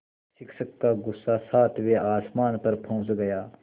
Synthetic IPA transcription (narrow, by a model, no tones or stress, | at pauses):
ʃɪkʰʃəkːaɡʊsːasaːt̪ʰʋeʔaːsmaːnpɐɾpʰõːt͡ʃɡɐjaː